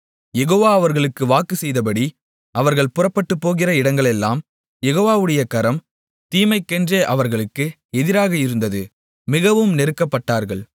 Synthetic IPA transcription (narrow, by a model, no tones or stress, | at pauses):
jɛɣoːʋaːɐʋɐɾɣɐɭɯkːɯʋaːkɯsɛjðɐpɐɽi | ʔɐʋɐɾɣɐɭpʊrɐpːɐʈːɯpːoːɣɪrɐɪɽɐŋɡɐɭɛlːa̰ːm | jɛɣoːʋaːʋɯɽɐjɐkɐɾɐm | t̪iːmɐɪkːɛndreːʔɐʋɐɾɣɐɭɯkːɯ | ɛðɪɾaːɣɐɪɾɯnd̪ɐðɯ | mɪɣɐʋɯmnɛɾɯkːɐpːɐʈːaːɾɣɐɭ